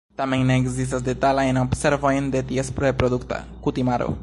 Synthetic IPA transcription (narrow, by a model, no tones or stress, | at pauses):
t̪amẽjneːɡzis̬t̪as̬d̪et̪alaenopseɾvojnd̪et̪iespɾepɾod̪ukt̪a̰ | kut̪imaɾo̰